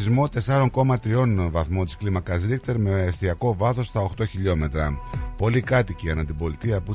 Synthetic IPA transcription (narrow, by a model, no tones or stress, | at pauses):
izmo̞t̪e̞sɐɾo̞ŋko̞mɐt̪ɾio̞nvɐθmo̞nt̪i̥sklimɐkɐzɾikt̪e̞ɾme̞sθiɐko̞vɐθo̞st̪ɐo̞xt̪o̞çiʎo̞me̞t̪ɾɐpo̞likɐt̪iciɐnɐt̪ibo̞lit̪iɐpu